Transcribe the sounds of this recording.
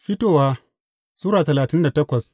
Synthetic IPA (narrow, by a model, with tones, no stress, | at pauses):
ɸi˦toː˦waː˦ | suː˦ɾaː˨tɐ˨laː˨tɪ˦nda˨tɐ˦kʷɐ˨s